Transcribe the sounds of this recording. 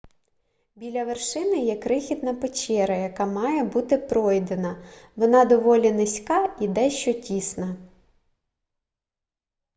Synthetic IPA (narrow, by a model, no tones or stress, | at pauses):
bʲilʲɐʋerʃɪnɪjɛkɾɪxʲid̪̚nɐpet͡ʃʲɛɾɐjɐkɑmɑjɛbut̪ɪpɾɔjd̪enɐʋɔnɑd̪ɔʋɔlʲinɪsʲkɑid̪ɛʃt͡ʃɔtʲisnɐ